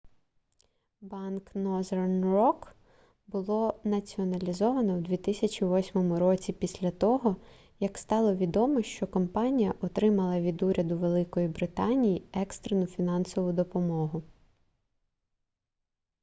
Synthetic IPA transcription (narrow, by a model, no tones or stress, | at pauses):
bɑnknɔzernrɔk | bʊlˠɔnɐt͡sʲiɔnɐlʲizɔʋɐnɔwd̪ʲʋʲit̪ɪsʲɐt͡ʃʲiʋɔsʲmɔmʊɾɔt͡sʲipʲisʲlʲɐt̪ɔɦɔ | jɐkst̪ɑlˠɔʋʲid̪ɔmɔʃt͡ʃɔkɔmpɑnʲijɐʔɔt̪ɾɪmɐlˠɐʋʲid̪uɾʲɐd̪ʊʋe̞lˠɪkɔjibɾɪt̪ɑnʲijiɛkst̪ɾenʊfʲinɑnsɔʋʊd̪ɔpɔmɔɦʊ